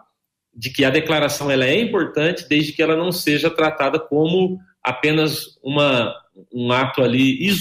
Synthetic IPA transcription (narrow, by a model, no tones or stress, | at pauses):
d͡ʒɪkɪɐd̪eklaɾasɐ̃w̃ɛlɐɛĩmpoɾt̪ɐ̃t͡ʃɪd̪ejzd͡ʒɪkɪɛlɐnɐ̃w̃seʒɐt̪ɾat̪ad̪ɐkõmʊ | a̰pẽnɐzũmɐũat̪ʊaliiz